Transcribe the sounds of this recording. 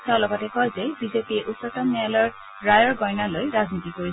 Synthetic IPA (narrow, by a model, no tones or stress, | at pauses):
tɛʊ̃lɔɡɔtɛkɔjzɛbizepiɛʔutːɔtamɛalɔɹ | ɹajɔɹɡɔjnalojɹaznitikoɹi